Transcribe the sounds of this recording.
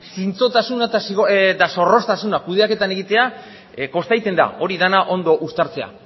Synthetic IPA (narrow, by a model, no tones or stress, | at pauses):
sint͡so̞t̪asunat̪asiɣoet̪aso̞ro̞st̪asunakuð̞e̞ake̞t̪ane̞ɣit̪e̞a | ko̞st̪ajt̪e̞nd̪a̰o̞ɾiðanaʔo̞nd̪o̞ʔust̪aɾt͡se̞a̰